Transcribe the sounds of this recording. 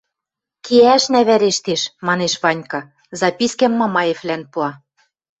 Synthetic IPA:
keæʃnæβæɾeʃt̪eʃmɑneʃβɑnʲkɑ̆ | zɑpʲiskæmːɑmɑjeflænpuɑ

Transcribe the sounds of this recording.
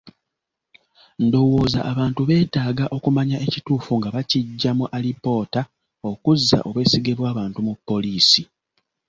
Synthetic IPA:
ndo̞wo̞ːza̰ʔːβaːntuβe̞ːtaːɡaʔo̞kumaɲaʔe̞cituːfuŋɡaβaciɟːamuʔalipo̞ːta | o̞kuzːa̰ʔo̞βwe̞ːsiɡe̞βwaːβaːntumupːo̞liːsi

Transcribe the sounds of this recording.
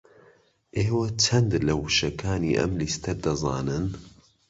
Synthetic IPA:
ʔeːwɐt͡ʃʰɐnd̪lɐwuʃɐkʰaːniːʔɐ̰mlist̪ʰɐɾd̪ɐzˤɑ̰ːnɨn

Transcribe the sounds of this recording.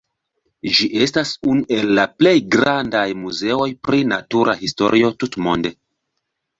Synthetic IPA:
ʒiʔe̞stasunuʔe̞lːaple̞jɡɾandajmuze̞o̞jpɾinatuɾʔaɦisto̞̰ɾʔio̞tutmo̞̰nde̞

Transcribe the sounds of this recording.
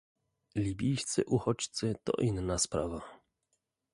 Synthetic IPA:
lʲibʲijst̪sɘʔuxɔt͡ɕt̪sɘt̪ɔ̰ʔinːaspɾava

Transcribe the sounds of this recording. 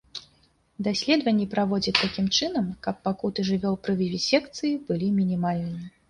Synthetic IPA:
d̪asʲlʲɛd̪vɐnʲːipɾavɔd͡zʲɐtt̪ːakʲimt͡ʂɨnɐmkɐpːakut̪ɨʐɨvʲɔwpɾɨvʲivʲisʲɛkt̪sɨjib̥ɨlʲimʲinʲimalʲnɨmʲɛ

